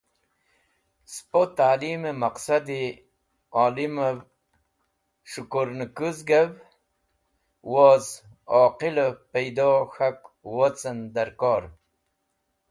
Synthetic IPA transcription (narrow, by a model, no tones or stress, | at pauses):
spot̪aːlimemaqsad̪i | aːliməv | ʂukoɾnkuzɡav | woz | oːqiləpejd̪oːxakwot͡sənd̪aɾkoːɾ